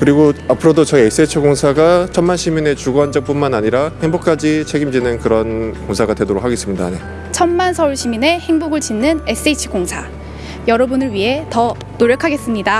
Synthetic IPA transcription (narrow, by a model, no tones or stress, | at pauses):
kɯɾiɡoapʰɯɾodot͡ɕʌies͈et͡ɕʰiɡoŋsʰaɡat͡ɕʰʌnmanɕʰimine̞t͡ɕuɡoɦand͡ʑʌk̚p͈unmanaɲiɾaheŋbok̚k͈ad͡ʑit͡ɕʰe̞ɡimd͡ʑinɯnkɯɾʌnkoŋsʰaɡadwe̞doɾok̚ʰaɡe̞s͈ɯmɲida̰ne̞ | t͡ɕʰʌnmansʰʌuɭɕʰimine̞he̞ŋbuɡɯɭt͡ɕinːɯne̞s͈ɯet͡ɕʰi̥koŋsʰa | jʌɾʌbunɯɭɥiɦe̞tʌ | noɾjʌkʰaɡe̞s͈ɯmɲida